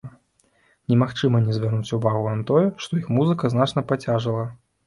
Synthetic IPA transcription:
nʲɛmaxt͡ʂɨmɐnʲɛzʲvʲarnut͡sʲuvaɣuvamt̪ɔjɛʂt̪ɔixmuzɨkɐznat͡ʂnɐpat͡sʲaʐɨlˠɐ

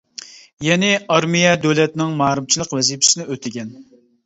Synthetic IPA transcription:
jɛnɪɑɾmijɛd̪øwlɛt̪nɪŋmɑːɾɨmt͡ʃʰilˠəqwɛzipʰɪ̥sɪnɪøt̪ʰɪɡʲɛn

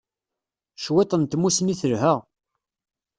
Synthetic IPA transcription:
ʃwet̪ˤənt̪musniθəɾɦəʁ

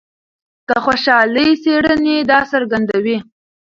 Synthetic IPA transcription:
kəxoʃɑləjseɽəned̪ɑsaɾɡand̪awi

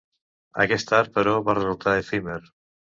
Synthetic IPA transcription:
a̰kɛst̪aɾpəɾɔβarezulˠt̪aefimeɾ

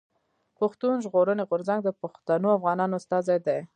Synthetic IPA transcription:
paxt̪unʒɣoɾəneɣʊɾzaŋɡ̚d̪əpaxt̪anoafɣɑnɑnoʊst̪ɑzajd̪aj

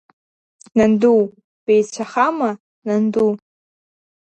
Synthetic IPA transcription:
nanduw | pejt͡ʃʷʰaχama | nandu

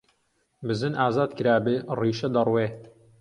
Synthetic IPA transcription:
bɨzɨnʔaːzaːd̪kɨɾaːbɨriːʃɐd̪ɐrweː

